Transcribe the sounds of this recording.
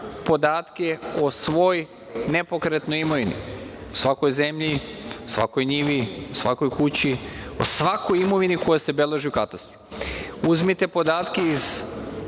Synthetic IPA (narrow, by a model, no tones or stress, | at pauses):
po̞d̪aːt̪keo̞sʋo̞j | ne̞po̞kɾet̪nojimo̞ʋinḭosʋako̞jze̞mʎiosʋa̰ko̞jɲiʋiosʋa̰ko̞jkut͡ɕio̰sʋakojimo̞ʋinikojase̞belˠeʒiukat̪ast̪ɾofuzmit̪epo̞d̪aːt̪keiz